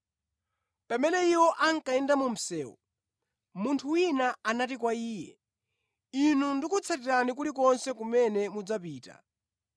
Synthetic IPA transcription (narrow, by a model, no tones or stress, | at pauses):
pamɛnɛiwɔʔaŋkaɛndamum̩sɛːwɔ̰ | muntʰuwinaanatikwaiːjɛ | inundikut͡sʰatiɾanik̬ulik̬ɔnsɛkumɛnɛmud͡zapiːta̰